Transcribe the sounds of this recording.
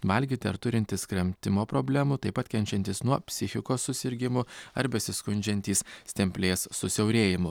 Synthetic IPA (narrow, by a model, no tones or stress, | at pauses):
ʋɐlʲɡʲiːt̪ʲɪɐ̰ɾt̪ʊɾʲɪnʲt̪ʲɪskɾʲɛmʲt̪ʲɪmoːpɾoːbʲlʲæmʊt̪ɐɪpɐt̪kʲɛnʲt͡ʃʲɛnʲt̪ʲɪsnuɔpʲsʲɪxʲɪkoːsːʊsʲɪɾʲɡʲɪmʊɐɾbʲɛsʲɪskʊnʲd͡ʒʲɛnʲt̪ʲiːsst̪ʲɛmʲpʲlʲeːsːʊsʲɛʊɾʲeːjɪmʊ